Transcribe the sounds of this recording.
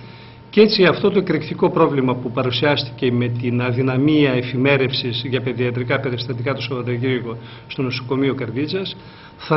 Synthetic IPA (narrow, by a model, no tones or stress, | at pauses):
ce̞t͡siɐft̪o̞t̪o̞ekɾikt̪iko̞pɾo̞vlimɐpupɐɾusiɐst̪i̥ce̞me̞t̪inɐðinɐmiɐe̞fime̞ɾe̞fsizʝɐpe̞ðiɐt̪ɾikɐpe̞ɾist̪ɐt̪ikɐt̪usovɐt̪ɐʝiɾɣo̞ | st̪o̞no̞so̞̥ko̞miokɐɾðit͡sɐs | θɐ